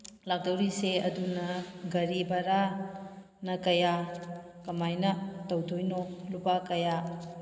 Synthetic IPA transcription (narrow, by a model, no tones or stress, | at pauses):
lak̚dɐwɾiseɐdunɐɡɐɾibɐɾa | nɐkɐja | kɐmajnɐtɐwdʰojnolupakɐja